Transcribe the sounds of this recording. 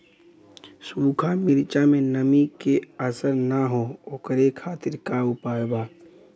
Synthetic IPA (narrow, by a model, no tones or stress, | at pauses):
suːkʰamɪɾt͡ʃamẽnɐmikeəsəɾnaɦookəɾekʰaːt̪ɪɾkaʊpaːjbaː